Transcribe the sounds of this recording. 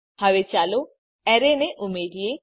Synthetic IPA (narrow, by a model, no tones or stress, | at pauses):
haʋet͡ʃaːlo | ɛɾeneʔʊmeːɖije